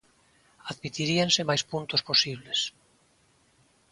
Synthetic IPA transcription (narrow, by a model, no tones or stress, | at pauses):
aðmit̪iɾiansemajspũnt̪osposiβles